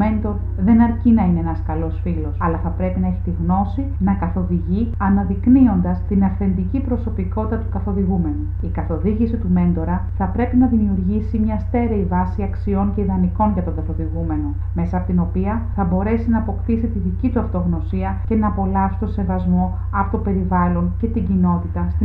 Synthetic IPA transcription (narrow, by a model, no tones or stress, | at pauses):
me̞nd̪o̞ɾ | ðe̞nɐɾcinɐineenɐskɐlo̞sfilo̞sɐlɐθɐpɾe̞pinɐe̞çit̪iɣno̞si | nɐkɐθo̞ðiʝiɐnɐðiknio̞nd̪ɐst̪inɐfθe̞nd̪icipɾo̞so̞piko̞t̪it̪ɐt̪ukɐθo̞ðiɣume̞nu | ikɐθo̞ðiʝisit̪ume̞nd̪o̞ɾɐθɐpɾe̞pinɐðimiuɾʝisimɲɐst̪e̞ɾeivɐsiɐksio̞ɲceiðɐniko̞nʝɐt̪oɡɐθo̞ðiɣume̞no̞ | me̞sɐpot̪ino̞piɐ | θɐbo̞ɾe̞sinɐːpo̞kt̪isit̪iðicit̪uɐft̪oɣno̞siɐce̞nɐːpo̞lɐfsi̥t̪ose̞vɐzmo̞ | ɐpot̪ope̞ɾivɐlo̞nce̞t̪iɲɟino̞t̪it̪ɐsi